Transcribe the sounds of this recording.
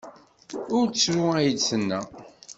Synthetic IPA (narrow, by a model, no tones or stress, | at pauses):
ʊɾt͡sːɾʊæjəd̪sənːæ̰